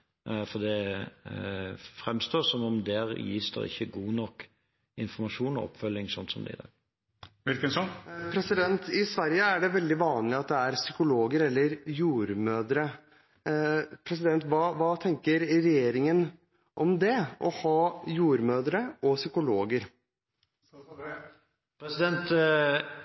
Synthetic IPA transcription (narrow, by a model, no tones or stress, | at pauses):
fɔd̪ɛ | fɾɛmst̪oːsɔmɔmd̪ɛɾjḭːsd̪ɑ̰ʔɪ̰çːəɡuːnɔkː | ɪnfɔɾmɑʃuːnɔ̰ɔ̰pːfœlːɪŋsɔnt̪sɔmd̪ɛ̰ɪd̪ɑ̰ɡ | ʋɪlkənsɔnpʰɾɛsɪd̪ɛnt̪ɪsʋæɾjəæɖɛʋɛld̪ɪʋɑːnlɪɑt̪̚d̪ɛæɾsʏkʊloːɡəɾɛlːəɾjuːɾmøːd̪ɾə | pʰɾɛs̬ɪd̪ɛnt̪ʋɑːʋɑːt̪ʰɛŋkəɾːɛjeːɾɪŋən | ʔɔmd̪ɛʔɔhɑːjuːɾmøːd̪əɾəʔɔsʏkʊloːɡəɾ | pʰɾɛsɪd̪ɛnt̪